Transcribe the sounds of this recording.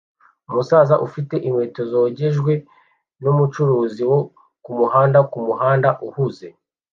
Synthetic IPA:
umusaːzaʔufite̞ʔimwe̞ːto̞zoɟe̞ʒɡwe̞ | numut͡ʃuɾuːziwo̞ | kumuhaːndakumuɦaːndaʔuhuze̞

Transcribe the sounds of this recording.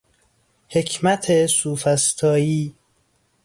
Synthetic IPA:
hecʰmæt̪ʰesuːfæst̪ʰɒːjiː

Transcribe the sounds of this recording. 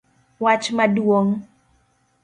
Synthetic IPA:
wat͡ʃmadwoŋ

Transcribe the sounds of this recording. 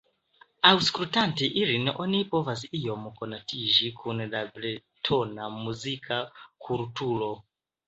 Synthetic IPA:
auskɾutantiʔiɾinɛʔɔnipɔvaziijɔmɔkɔnatiʒikʰunɛɗablɛtʰɔnamuzikʰakʰuɾutuːlɔ

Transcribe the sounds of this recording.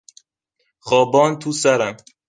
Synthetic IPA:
xɒːbɒːnt̪ʰuːsæɾæn

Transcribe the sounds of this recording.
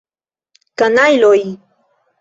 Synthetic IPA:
kanajloj

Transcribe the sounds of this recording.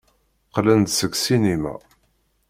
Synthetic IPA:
qlənt̪səksinimæ̰

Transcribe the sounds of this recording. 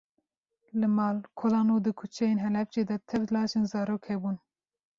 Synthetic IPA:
lɨmɑːlkʰɔlɑːnud̪ɨkʰut͡ʃʰɛjeːnɦɛlɛpt͡ʃeːd̪ɛt̪ʰɛvlɑːʒenzɑːɾoːkhɛbuːn

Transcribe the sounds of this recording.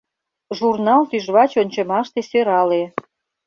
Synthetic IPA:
ʒurnɑlt̪yʒβɑt͡ɕonʲt͡ɕemɑʃt̪esøɾɑle

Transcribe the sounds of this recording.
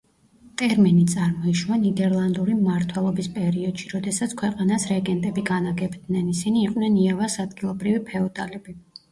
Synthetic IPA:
t̪ʼɛɾmɛnit̪sʼaɾmɔiʃvanid̪ɛɾlˠand̪uɾimaɾt̪ʰwɛlˠɔbispʼɛɾiɔd̪̥ʃiɾɔd̪ɛsat̪sʰkʰwɛqʼanasɾɛɡɛnt̪ʼɛbiɡanaɡɛbd̪nɛnisiniːqʼnɛniavasad̪ɡilˠɔbɾivipʰɛɔd̪alɛbi

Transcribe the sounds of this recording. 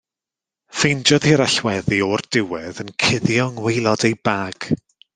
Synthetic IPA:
fejnd͡ʒɔð̥hiɾaɬwɛðiɔrd̥ɪwɛðənkʰɪðjɔŋwejlˠɔdejbaːɡ̥

